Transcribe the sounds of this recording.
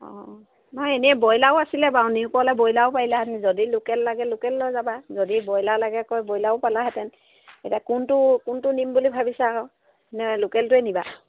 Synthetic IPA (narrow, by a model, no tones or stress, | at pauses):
ɔ̰̃ | mɔjeniɛbɔjlaʊasilɛbawniʊkɔlɛbɔjlaʊpajlaɦɛtɛnzodilʊkɛlːaɡɛlʊkɛlːɔjzabazodibɔjlalaɡɛkɔjbɔjlaʊpalaɦɛtɛn | etiakʊntʊkʊntʊnimbulibʱabisɛaɹɔ | nɛlʊkɛltʊɛniba